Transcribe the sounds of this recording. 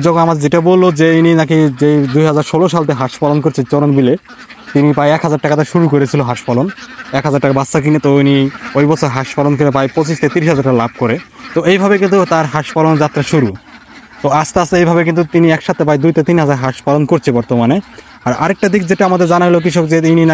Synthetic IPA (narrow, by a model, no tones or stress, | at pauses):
d͡ʑɔkʰonamad̪eɾd͡ʑeʈabolːod͡ʑeininakid͡ʑejd̪ujɦad͡ʑaɾʃoloʃalt̪eɦaʃpalonkoɾt͡ɕʰet͡ɕɔɾonbile | t̪inipajɛkɦad͡ʑaɾʈakat̪aɾʃuɾukoɾet͡ɕʰiloɦaʃpalonɛkɦazaɾʈakabasːak̬inet̪oiniojbɔt͡ɕʰoɾɦaʃpalonkoɾep̬ajpot͡ɕiʃt̪at̪iɾiʃɦazaɾʈalab̚ʱkoɾet̪oejbʱabekint̪ut̪aɾɦaʃpaloned͡ʑat̪ːɾaʃuɾu | t̪oast̪east̪eejbʱabekint̪ut̪iniɛkʃat̪ʰːepajd̪ujt̪at̪inɦad͡ʑaɾɦaʃpalonkoɾt͡ɕʰebɔɾt̪omane | aɾa̰ɾek̚ʈad̪ik̚d͡ʑeʈaamad̪eɾd͡ʑanaɡlok̬iʃ̬okd͡ʑeinina